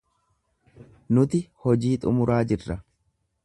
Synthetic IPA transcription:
nʊt̪ɪhɔd͡ʒiːt̪ʼʊ̰mʊɾaːd͡ʒɪrːɐ

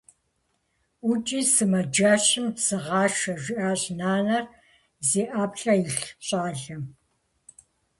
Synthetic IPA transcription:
ʊt͡ʃʼiːsɨmɐd͡ʒaːʃɪmsɨʁɑːʃɐʒʷɪʔaːɕʼnaːnɐr | zeːʔaːpɬʼɐjɪɬɕʼɑːɮɐm

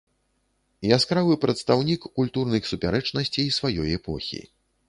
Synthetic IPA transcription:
jaskɾavɨpɾɐt̪st̪awnʲikːulʲt̪urnɨxsupʲaɾɛt͡ʂnɐsʲt͡sʲiːsvajɔjɛpɔ̰xʲḭ

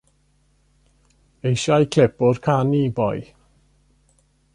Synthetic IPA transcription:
ejʃajkʰl̥ɛpʊrkʰanibɔj

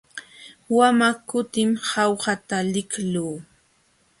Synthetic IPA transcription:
wamakʊt̪ɪmhɑwhat̪alɪkluː

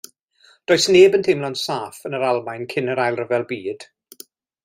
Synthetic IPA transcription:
d̥oːjsneːbəntʰejmlˠɔnsaːfənəɾalˠmajnkʰɪnəɾajlˠrəvɛlˠbiːd̥

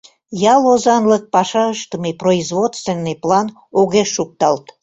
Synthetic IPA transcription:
jɑlˠozɑnlək̚pɑʃɑəʃt̪əmeproizvot̪st̪venːɨjplˠɑn | oɣeʃːuk̚t̪ɑlt̪

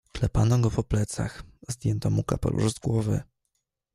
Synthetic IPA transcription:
klɛpanɔɡɔpɔplɛt̪saxzd̪ʲjɛnt̪ɔmukapɛ̰lṵʐzɡwɔvɘ

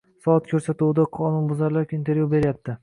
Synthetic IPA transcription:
sɒɒt̪kʰʲɵɾsat̪uwd̪aqʰɒnʊnbʊzaɾlɒkʲint̪ʰe̞ɾjube̞ɾjap̚t̪ʰɪ

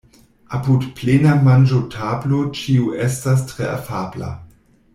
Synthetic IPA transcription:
apudplenamand͡ʒotʰablot͡ʃiuʔestas̬tʁea̰fabla̰

